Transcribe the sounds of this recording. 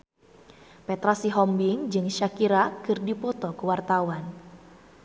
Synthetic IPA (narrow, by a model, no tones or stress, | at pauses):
pɛt̪ɾasiɦɔmbiŋd͡ʒɨŋʃakiɾakɨrdipɔt̪ɔkuwart̪awan